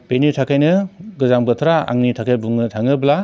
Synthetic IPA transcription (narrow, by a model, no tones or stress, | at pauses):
b̥enitʰakʰajnɯɡɯzaŋbɯtʰɾaa̰ŋnitʰakʰajbuŋnɯtʰaŋɯbla